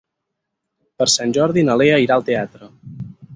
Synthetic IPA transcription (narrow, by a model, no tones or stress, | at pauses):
pəɾsanʲʒɔɾðinəleəiɾaəlˠt̪eat̪ɾə